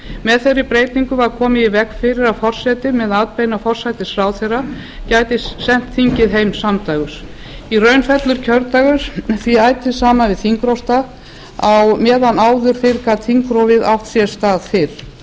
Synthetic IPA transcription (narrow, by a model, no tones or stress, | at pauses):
mɛðθejrɪpɾeːjt̪niŋkʏvaɾ̥kʰɔːmɪivɛkfɪɾɪɾaðfɔr̥sɛjt̪ɪmɛðaːt̪̚pejnafɔr̥sajt̪ɪsɾaːwθejrːa | caːjt̪ɪssɛn̥t̪θiɲcɪðɦejmsamt̪aːɣʏɾ | irœɥnfɛt̪lʏɾ̥cʰœɾt̪aɣʏɾθviaːjt̪ʰɪðsaːmavɪðθiŋkɾowst̪a | awmɛːðanaːwðʏɾ̥fɪɾkat̪θiŋkɾowvɪðaft̪sjɛ̥st̪aːðfɪɾ̥